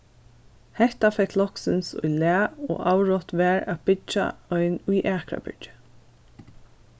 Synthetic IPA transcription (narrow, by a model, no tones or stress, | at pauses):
hɛht̪afɛklɔksɪnsʊ̰jlæːo̰ːʔawɹɔt̪ʋæːɹæbɪt͡ʃa̰ɔɪnʊjʔæːkɹa̰bʏ̰ɹt͡ʃə̥